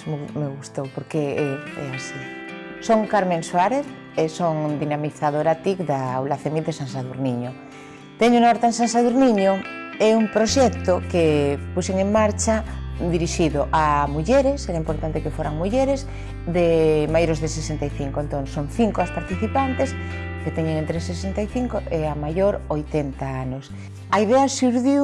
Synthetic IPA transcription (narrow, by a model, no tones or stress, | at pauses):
memeɣust̪owpoɾkeeḛasisoŋkaɾmẽŋswaɾeθ | esoŋd̪inamiθaðoɾat̪ikðawlaθemiðesãnsaðuɾniɲo | t̪eɲounaoɾt̪aẽnsansaðuɾnĩɲoeumpɾoʃekt̪okepuseŋẽŋmaɾt͡ʃad̪iɾiʃiðoʔamuʝeɾeseɾaimpoɾt̪ant̪ekefweɾaŋmuʝeɾez | ðemajoɾozðesesent̪ajθiŋkoent̪õnsoŋθiŋkoaspaɾt̪iθipant̪es | ket̪eɲeŋẽnt̪ɾesesent̪ajθiŋkoʔeamaʝoɾojt̪ent̪aanos | aiðeasuɾðju